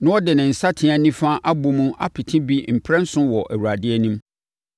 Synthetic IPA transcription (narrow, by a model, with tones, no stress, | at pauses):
nʊ̃˦ɔ˦dɪ˨nɪ̃˨n̩˨sa˦tʰɪ̃˨˦ã˨nĩ˦fã˦ʔa˦bu˦mũ˦ʔa˦pʰɪ˨tʰɪ̃˦bi˦m̩˨pʰɾɛ̃˦n̩˦sʊ̃˦wɔ˨ʔæ̰˨wu˨ɾa˨dɪ˦ɛ˦nĩ˦m